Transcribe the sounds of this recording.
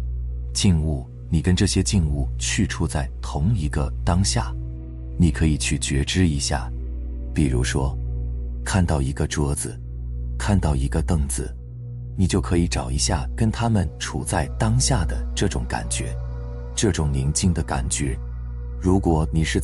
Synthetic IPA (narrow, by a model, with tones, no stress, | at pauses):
t͡ɕi˥˧ŋu˥˩ | ni˨˩kə˥nʈ͡ʂɤ˥˩ɕjɛ˥t͡ɕi˥˧ŋu˥˩t͡ɕʰy˥˩ʈ͡ʂʰu˥t͡sa˥˩ɪt̪ʰʊ˧˥ŋi˧˥ɡə˧t̪ɑ˥ŋɕja̰˥˩ | ni˨˩kʰɤ˧˥i˨˩t͡ɕʰy˥˩t͡ɕɥɛ˧˥ʈ͡ʂɻ̩˥i˧˥ɕja̰˥˩ | pi˨˩ɻṵ˧˥ʂwɔ˥ | kʰa˥˧nt̪ɑ˥˩ʊi˧˥ɡə˧ʈ͡ʂɤ˥d͡zɹ̩˩ | kʰa˥˧nt̪ɑ˥˩ʊi˧˥ɡə˧t̪ɤ˥˩ŋd͡zɹ̩˩ | ni˨˩t͡ɕjo˥˩ʊkʰɤ˧˥i˧˥ʈ͡ʂɑ˨˩ʊi˧˥ɕja˥˩kə˥nt̪ʰa˥mə˨nʈ͡ʂʰu˨˩t͡sa˥˩ɪt̪ɑ˥ŋɕja˥˩d̪ə˩ʈ͡ʂɤ˥˩ʈ͡ʂʊ˨˥ŋka̰˨˩nt͡ɕɥɛ˧˥ | ʈ͡ʂɤ˥˩ʈ͡ʂʊ˨˩˦ŋli˧˥ŋt͡ɕi˥˩ŋd̪ə˩ka˨˩nt͡ɕɥɛ˧˥ | ɻu˧˥kwɔ˨˧˩ni˨˩ʂɻ̩˥˧